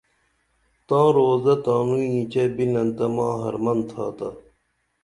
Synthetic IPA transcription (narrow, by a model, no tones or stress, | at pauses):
t̪ãːɾoːzɐt̪ãːnuːjĩːt͡ɕebinɐnt̪ɐmãːɦɐ̰ɾmɐnt̪ʰa̰ːt̪ɐ